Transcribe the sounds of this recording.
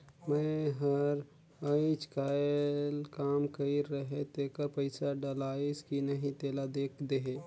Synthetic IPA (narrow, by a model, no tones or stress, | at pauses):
mɛ̃ɦɐɾ | aɪt͡ʃkaːlkaːmkɐiɾɐɦet̪eːkəɾpəɪsaɖɐlaːɪskinɐɦĩt̪eːlad̪eːkʰd̪eɦeː